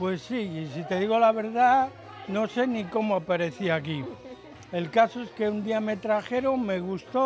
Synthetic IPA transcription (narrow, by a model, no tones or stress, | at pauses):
pwe̞sːiːsit̪e̞ðiɣo̞laβ̞e̞ɾða | no̞se̞niko̞moapaɾe̞θiaki | e̞lkaso̞e̞ske̞und̪iame̞t̪ɾaxe̞ɾo̞me̞ɣust̪o